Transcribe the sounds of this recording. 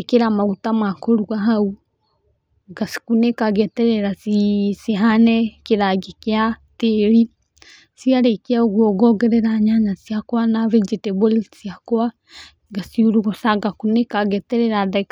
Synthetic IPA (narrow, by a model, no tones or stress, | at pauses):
keɾamaɣutamwakoɾuɡaɦau | ɡasi̥kunekaɡɛtɛɾɛɾasisiɦanɛkeɾaɡekeateɾi | siaɾekeaoɣwɔɡɔɡɛɾɛɾaɲaɲasiakwanaβed͡ʒitɛβolisiakoa | ɡasiuɾuɣɔsaɡakunekaɡɛtɛɾɛɾaðak